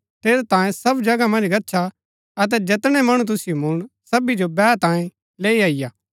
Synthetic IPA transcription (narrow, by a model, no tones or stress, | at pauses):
t̪eːɾet̪ãːẽsɐbd͡ʒɐɡamɐ̃nd͡ʒɡɐtːʃʰa | ɐt̪̬ɛd͡ʒɐt̪ɽ̃ɛmɐɽ̃ũt̪̬ʊsɪjomʊɽ̃sɐbid͡ʒobɛːt̪ãːẽ | leːiaːɪjaː